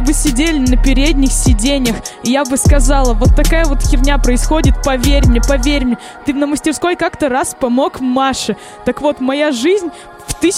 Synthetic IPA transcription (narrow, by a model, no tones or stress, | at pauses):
bɨsʲɪdʲelʲɪnəpʲɪɾʲed̪ʲnʲɪxsʲɪdʲenʲɪjəxɪjabɨskɐzɑlˠəvo̞t̪ːɐkajəvo̞t̪kʲɪrnʲapɾəɪsxo̞dʲɪt̪̚pɐvʲerʲmʲɪpɐvʲeɾʲmʲɪ | t̪ɨnəməsʲtʲɪrsko̞jkakt̪əɾaspɐmo̞kmaʂɨ | t̪əkvo̞t̪mɐjaʐɨzʲnʲ | ft̪ɨsʲ